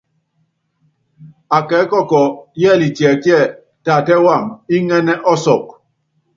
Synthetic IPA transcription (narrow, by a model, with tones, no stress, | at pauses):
a˨kɛ˨˦kɔ˦kɔ˨jɛ˦˨li˨tjɛ˨kjɛ˦˨ | ta˨tɛ˦wa˦˨mi˦ŋɛ˦nɛ˦ʔɔ˦sɔ˨k̚